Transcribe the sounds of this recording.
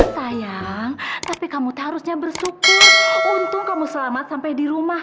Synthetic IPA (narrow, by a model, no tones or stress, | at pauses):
sajaŋt̪apikamut̪ɦaɾusɲabərsukʊrunt̪ʊkkamusəlamat̪̚sampajdiɾumah